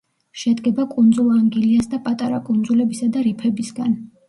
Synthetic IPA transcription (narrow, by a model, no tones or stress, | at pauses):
ʃɛd̪ɡɛbakʼund̪zulˠaŋɡiliasd̪apʼat̪ʼaɾa̰kʼund̪zulɛbisad̪aɾipʰɛbisɡan